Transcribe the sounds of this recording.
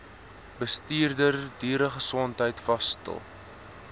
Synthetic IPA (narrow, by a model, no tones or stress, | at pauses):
bəstiːrdərdiːɾəχəsɔntɦəjtfɐstə̰lˠ